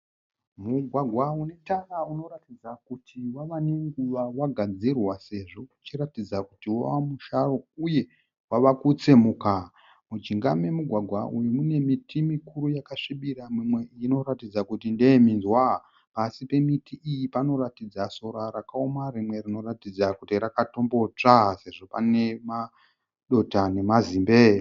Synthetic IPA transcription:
muɡʱwaɡʱwaune̞tarauno̞ɾatid͡zakutʰiwaʋane̞ŋɡuʋawaɡʱad͡zirwase̞ʐo̞ut͡ʃiɾatid͡zakutiwa̰wamuʃaro̞uje̞ | waʋakut͡semuka | mud͡ʒiŋɡame̞muɡʱwaɡʱwaʔujumune̞mitʰimikuɾujakaʂiɓiɾamwimwe̞iino̞ɾatid͡zakutindeeminzwa | pasipe̞mitiʔijipano̞ɾatid͡zaso̞ɾaɾakaomarimwe̞rino̞ratid͡zakutiɾakato̞mbo̞t͡ʂase̞ʐo̞pa̰ne̞ma | ɗo̞tane̞mazimbe

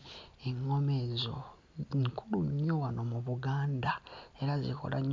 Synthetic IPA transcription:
eŋːomezo̰ | ŋkuluɲowanomuβuɡaːndae̞ɾazḭkʰo̞̰la̰ɲ

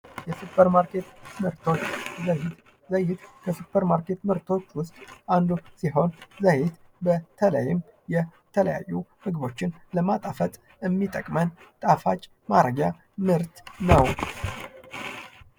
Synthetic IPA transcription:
jɛsupʰːəɾmaɾke̞t̪mɨɾt̪ʰo̞t͡ʃːzəhɪt̪ | zəjːɪt̪kʰəsupʰːəɾmaɾke̞t̪mɨɾt̪ʰo̞t͡ʃːwʊst̪ʼʔand̪usiɦo̞nzəjɪt̪bət̪ʰələ̰jɪm | jɛt̪ʰələ̰ja̰jːuhɨɡɨbo̞t͡ʃːɪn | ləmat̪ʼafət̪ʼ | ɨmːit̪ʼəkʼmənt̪ʼafat͡ʃʼ | maɾəɡja | mɨɾt̪nəw

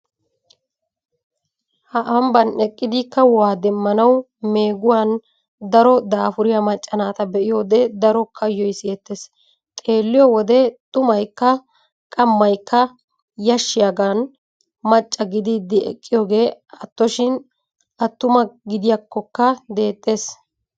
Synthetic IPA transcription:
hɐʔɐmbɐnɛkʼːɪd̪ɪkːɐwaːd̪ɛmːɐnɐw | me̞ːɡʊwaːn | d̪ɐɾɔd̪aːfʊɾɪjɐmɐt͡ʃʼːɐnaːt̪ɐbɛʔɪjo̞ːd̪ɛd̪ɐɾɔkʰɐjːɔjsɪjɛt̪ːes | t̪ʼe̞ːlːɪjɔwɔd̪ɛt̪ʼʊmɐjkːɐ | kʼɐmːɐjkːɐ | jɐʃːɪjɐɡan | mɐt͡ʃʼːɐɡɪd̪iːd̪ːɪɛ̰kʼːɪjoːɡe̞ːɐt̪ːɔʃɪn | ɐt̪ːʊmɐɡɪd̪ɪjɐkːɔkːɐd̪e̞ːt̪ʼːe̞ːs

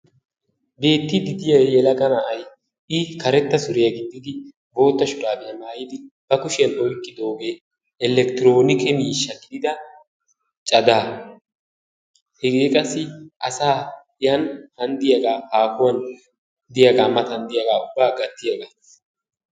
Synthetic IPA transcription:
be̞ːt̪ːɪd̪ɪd̪ɪjɐjjɛlɐɡɐnaʔɐj | ʔɪkɐɾɛt̪ːɐsʊɾɪjɐɡɪd̪ːɪd̪ɪ | bo̞ːt̪ːɐʃʊᶑaːbɪjɐmaːjɪd̪ɪb̥ɐkʊʃɛnɔjkʼːɪd̪oːɡeː | ʔɛlɛkt̪ɪɾo̞ːnɪkɛmiːʃːɐɡɪd̪ɪd̪ɐ | t͡ʃʼɐd̪aː | hɛɡeːkʼɐsːɪʔɐsaː | jɐnhɐnd̪ɪjɐɡaːhaːkʊwɐn | d̪ɪjɐɡaːmɐt̪ɐnd̪ɪjɐɡaːʊbːaːɡɐt̪ːɪjɐɡaː

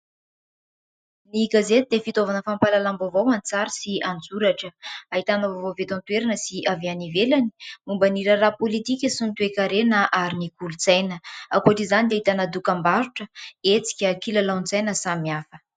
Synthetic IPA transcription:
niɡazet̪id̪efit̪ovanəfampalalambovowant͡saɾisiand͡zuɾaʈ͡ʂəaɦit̪anovovovet̪ont̪uweɾanəsiʔaveanivelani̥mumbaniɾərapolit̪ikʲəsunt̪uekaɾenəʔaɾinikulut͡sajnəakuoaʈ͡ʂizanid̪aɦit̪anad̪ukambaɾuʈ͡ʂəet͡si̥kʲəkilalant͡sajnəsamiafə̥

